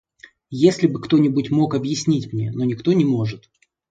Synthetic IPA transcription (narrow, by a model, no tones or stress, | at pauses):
jesʲlʲɪbɨkt̪o̞nʲɪbutʲmo̞kɐbjɪsʲnʲitʲmnʲeno̞nʲɪkt̪o̞nʲɪmo̞ʐɨt̪